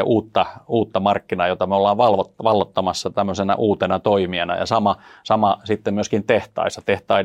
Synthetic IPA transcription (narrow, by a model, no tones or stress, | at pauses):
ʔuːt̪ːɑuːt̪ːɑmɑrkːinɑːjot̪ɑmeolːɑːʋʋɑlʋotʋɑlːot̪ːɑmɑsːɑt̪æmːøsenæ̰ʔuːt̪enɑt̪oimienɑ̰jɑ̰sɑmɑsɑmɑsit̪ːemmyøskint̪eht̪ɑ̰isɑt̪eht̪ɑi